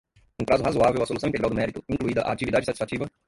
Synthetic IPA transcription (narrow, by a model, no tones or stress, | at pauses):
ũpɾazʊɦazoavewɐsolusɐ̃ĩt̪eɡɾawd̪ʊmɛɾit̪ʊĩŋkluid̪ɐʔa̰ːt͡ʃivid̪ad͡ʒɪsatt͡ʃi̥sfat͡ʃivɐ